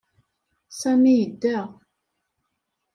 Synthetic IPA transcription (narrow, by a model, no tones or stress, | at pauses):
sæmijəd̪ːæʁ